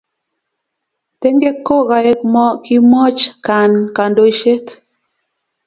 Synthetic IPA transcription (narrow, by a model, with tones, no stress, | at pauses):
te˦ŋɡe˦ko˦ɣa˨e˦k̚mɔ˦ki˦mɔ˦t͡ʃka˨nka˨ndo˨i˦ʃe˦t